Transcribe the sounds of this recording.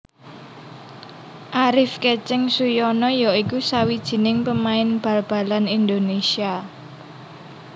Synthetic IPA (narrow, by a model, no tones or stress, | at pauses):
ʔaɾɪfket͡ʃɛŋsujɔnɔjɔikusawid̥ʒ̥i̤nɪŋpəmaɪnb̥ä̤lb̥a̤lanind̪onesia